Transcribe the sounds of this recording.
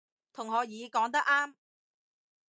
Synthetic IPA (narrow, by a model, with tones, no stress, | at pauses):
t̪ʰʊ˨˩ŋɦɔː˨˧jiː˨˧kɔː˨˥ŋt̪̬ɐ˥k̚ʔaː˥m